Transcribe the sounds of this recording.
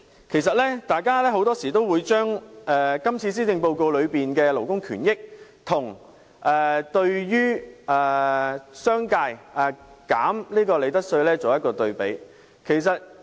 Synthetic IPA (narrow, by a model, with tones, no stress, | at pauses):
kʰe˨˩jsɐ˨t̚lɛː˥t̪aː˨jkaː˥lɛː˥ɦo˨˥wt̪ɔː˥siː˨˩t̪o˥wuː˨˧jt͡ʃœː˥ŋɛ˧kɐ˥mt͡sʰiː˧s̬iː˥t̪ɪ˧ŋpo˧wko˧wlɵ˨˧ɥpiː˨nkɛː˧lo˨˩wkʊ˥ŋkʰy̰ː˨˩njɪ˥k̚t̪ʰʊ˨˩ŋ | ʔɛː˨˩t̪ɵ˧ɥjyː˥ɛː˨˩sœː˥ŋkaː˧jɛː˨˩kaː˨˥mliː˥kɔː˧le˨˧jt̪ɐ˥t̚sɵ˧ɥlɛː˥t͡so˨wjɐ˥t̚kɔː˧t̪ɵ˧ɥpe˨˥j | kʰe˨˩js̬ɐ˨t̚